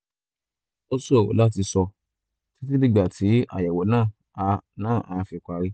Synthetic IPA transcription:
o˦so̰˨la˦t̬i˧sɔ˧ | ti˦ti˦nĩ˦ɡ͡ba˦˨tʰi˨˦a̰˦˨jɛ˨wɔ˨nãː˦˨ | a˧nãː˦˨ʔã˨˧fi˧kʷa˧ɾi˦

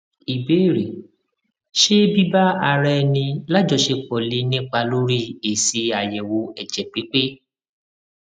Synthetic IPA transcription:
i˨be˨˦˨ɾe˨ | ʃe˦bi˦ba˦a˧ɾɛ˦˧nĩ˧la˦d͡ʒɔ˧˨ʃe˧k͡pɔ˨le˧˦nĩ˦k͡pa˧lo˦ɾi˦˨e˨se˧a˨jɛ˨wo˧ɛ˨d͡ʒɛ˨k͡pi˨˦k͡pe˦

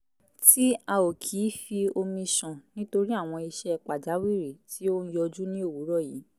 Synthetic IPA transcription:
ti˦a˧o˨kʰi˨˦fi˧o˧mĩ˧ʃɔ̃˨nĩ˦to˧ɾi˦a˦˨w̃ɔ̃˧i˧ʃɛ˧k͡pa˨d͡ʒa˨˦wi˦˨ɾi˨ti˨˦õ˦jɔ˧d͡ʒu˦nĩ˦o˦˨wu˨˦ɾɔ˦˨jiː˨˦

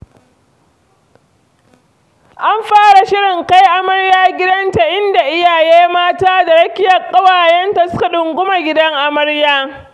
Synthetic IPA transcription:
ʔa˦mɸaː˦ɽa˨ʃɪ˦ɽɪ˨ŋka˦jʔa˦mɐ˦ɽjaː˦ɡʲɪ˦dɐ˦nta˨ʔɪ˦nda˨ʔɪ˦jaː˨jeː˦maː˦taː˦da˨ɽɐ˦kʲɪ˦jɐ˨kʼːɐ˦waː˨jɛ˦nta˨sʊ˦ka˨ɗʊ˨ŋɡʷʊ˦ma˨ɡʲɪ˦dɐ˦ŋʔa˦mɐ˦ɽjaː˦

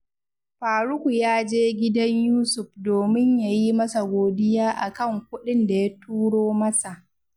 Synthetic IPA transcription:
ɸaː˨ɽʊ˦kʷu˨jaː˦d͡ʒeː˦ɡʲɪ˦dɐ˦ɲjuː˦sʊ˨ɸ̚doː˨mɪ˦ɲja˨ji˦mɐ˦sa˨ɡʷoː˨dɪ˦jaː˦ʔa˨kɐ˦˨ŋkʷʊ˦ɗɪ˦nda˨ja˦tuː˦ɽoː˦mɐ˦sa˨ʔ

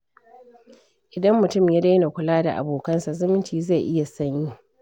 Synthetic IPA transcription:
ʔɪ˨dɐ˦mːʊ˨tʊ˦˨mjaː˦da˦jna˨kʷʊ˨laː˦da̰˨ʔa̰˨boː˨kɐ˦nsa˨zʊ˦mɪ˦ntiː˨za˦˨jʔɪ˦ja˨sɐ˦ɲji˦ʔ

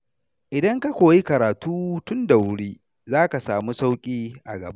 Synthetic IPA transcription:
ʔɪ˨dɐ˦ŋka˦kʷoː˨ji˦kɐ˨ɾaː˨tuː˦tʊ˦nda˨wʊ˦ɽiː˦ | zaː˦ka˨saː˨mu˦sa˦wkʲʼiː˦ʔa̰˨ɡɐ˨ba˦ʔ

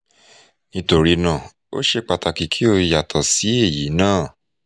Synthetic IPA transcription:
nĩ˧to˧ɾi˧nã˦˨ | o̰˦ʃe˧k͡pa˨ta˨ki˨kʰi˨˦o˧ja˨tʰɔ˨si˨˦e˦˨ji˨˦nãː˦˨

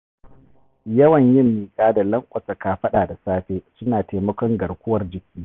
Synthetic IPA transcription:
jɐ˦wɐ˨ɲjɪ˦mːiː˨kʼaː˦da˨lɐ˦ŋkʷʼɐ˨sa˨kaː˨ɸɐ˦ɗaː˨da˨saː˦ɸeː˦sʊ˦naː˨teː˨mɐ˦kʷɔ˦ŋɡɐ˨rkʷʊ˦wɐ˦rd͡ʒɪ˨kʲiː˦

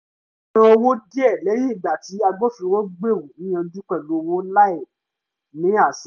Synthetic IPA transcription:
ã˧o˧wo˦di˦ɛ˦˨lɛ˨˦ji˦i˦˨da˨ti˨˦a˧ɡ͡bo˦fĩ˧wo˦ɡ͡be˦˨wu˨nĩ˦j̃ã˧d͡ʒu˦k͡pɛ˦˨lo˨˦˨wo˦la˦ɛ˦˨ | nĩ˨˦a˦˨s

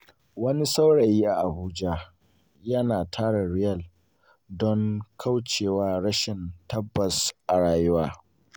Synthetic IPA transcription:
wɐ˦ni˦sa˦wɽa˨jiː˦ʔa˨ʔa˨buː˦d͡ʒa˦ | jɐ˦naː˨tʰaː˦ɽɐ˨ɽɪ˦jɐ˦˨l | dɔ˦ŋkʰa˦wt͡ʃeː˨waː˦ɽɐ˦ʃɪ˨ntɐ˦bːɐ˨sʔa˨ɽaː˨jʊ˦waː˦

